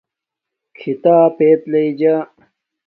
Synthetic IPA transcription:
kʰit̪aːpeːt̪lɐid͡ʑa

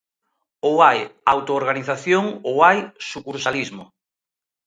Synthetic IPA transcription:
owajawt̪oːɾɣaniθaθjoŋowajsukuɾsalizmo̰

